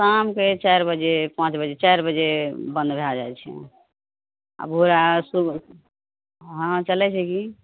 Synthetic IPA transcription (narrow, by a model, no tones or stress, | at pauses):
samket͡ʃajɾbəd͡ʒepãt͡ʃbəd͡ʒet͡ʃajɾbəd͡ʒebə̃nd̪bʱead͡ʒajt͡ʃʰɛ̰ | a̰bʱoɾasu | ɦə̃t͡ʃəlɛt͡ʃʰɛki